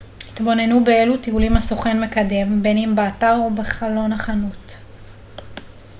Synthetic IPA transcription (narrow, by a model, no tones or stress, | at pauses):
hit̪bo̞ne̞nube̞e̞lutiulimhasoχenme̞kade̞mbe̞nimbeataʁobeχalo̞naχanut